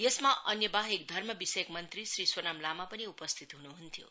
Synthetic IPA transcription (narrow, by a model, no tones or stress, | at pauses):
jesmaʔʌnjʌbaɦekd̪ʱʌrmʌbisɐjəkmʌnt̪ɾisɾiswonamlamapʌniupʌst̪ʰit̪ɦunuɦunt̪ʰjo̰